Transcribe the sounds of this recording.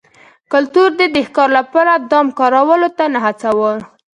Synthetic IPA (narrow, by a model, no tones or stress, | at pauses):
kʊlt̪uɾd̪əd̪exkɑɾlapɑɾad̪ɑmkɑɾawəlot̪anaɦat͡sawəl